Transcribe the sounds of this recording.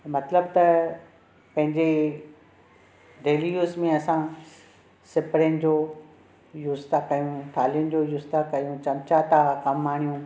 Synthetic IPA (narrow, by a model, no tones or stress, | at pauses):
mɐt̪ləbt̪ɐ | pɐ̃ɦɪ̃ɲd͡ʑe | ɖ̪ʱeːlijuːsmẽɐsã | sɪpɾjənɪ̆d͡ʑoː | juːst̪akɐjũʈ̪ʰaːlijənɪ̆d͡ʑoːjuːst̪akɐjũt͡ɕɐmt͡ɕat̪akɐmːaːɽ̃ijũ